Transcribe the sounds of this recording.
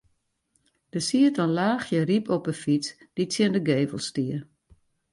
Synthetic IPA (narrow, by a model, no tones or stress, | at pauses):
d̥əsiətɔnlaːxjəripʰɔpəfit͡s | d̥it͡sjɪndəɡeːvə̰l̩ˠstiə